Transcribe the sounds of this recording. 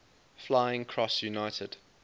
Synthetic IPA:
flaɪɪ̃ŋkʰɹ̥ɔsjunaɪtʰəd̥

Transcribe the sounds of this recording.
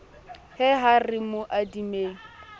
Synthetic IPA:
hɛɦarɪmʊʔadimeːŋ̩

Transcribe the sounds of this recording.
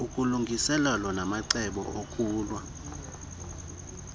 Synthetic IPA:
ukʼuluŋɡʱisɛlalɔnamaǀɛɓɔ̰ʔokʼuːlwa

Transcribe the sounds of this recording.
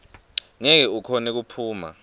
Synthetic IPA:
ŋɛk̬ɛukʰɔnɛk̬upʰuːma̰

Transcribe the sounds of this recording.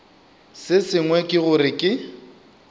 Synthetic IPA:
sɪsɪŋwɛkʼɪɣʊɾɪkʼɪ

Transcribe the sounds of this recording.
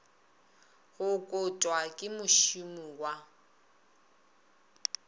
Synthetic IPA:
ɣʊkʼʊtʼwakʼɪmʊʃumuwa

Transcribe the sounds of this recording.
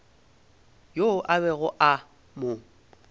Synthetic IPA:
joʔaβɛɣʊʔa | mʊ

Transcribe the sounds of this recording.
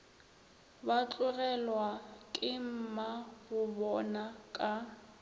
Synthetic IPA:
bat͡ɬʼʊɣɛlwakʼɪm̩maɣʊbɔnakʼa

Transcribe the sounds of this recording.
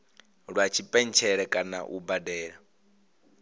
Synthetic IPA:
ɺwat͡ʃʰipʼɛn̩t͡ʃʰɛɺɛkʼana̰ʔubadɛːɺa

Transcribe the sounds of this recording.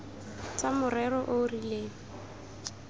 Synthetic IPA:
t͡samʊrɛrɔʔorileːɔ

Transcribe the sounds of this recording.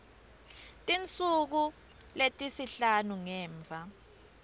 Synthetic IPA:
tʼint͡sʼuk̬u | letʼisiɬanuŋɛːɱb̪vʱa

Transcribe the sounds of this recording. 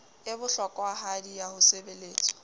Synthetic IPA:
ɪbʊɬɔkʼwaɦadijahʊsebeleːt͡sʼɔ̥

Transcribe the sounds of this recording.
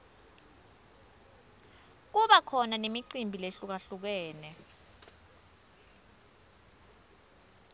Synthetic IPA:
k̬uɓakʰɔnanemiǀimbʱileɬuk̬aɬuk̬ɛːnɛ

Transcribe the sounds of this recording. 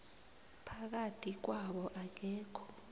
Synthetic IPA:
pʰak̬atʰʼik̬waɓɔʔak̬ɛːkʰɔ̥

